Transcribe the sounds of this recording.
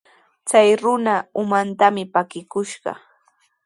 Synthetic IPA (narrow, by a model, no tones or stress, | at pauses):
t͡sajɾʊnaʊmant̪amɪpakɪkʊʃɢɑ̰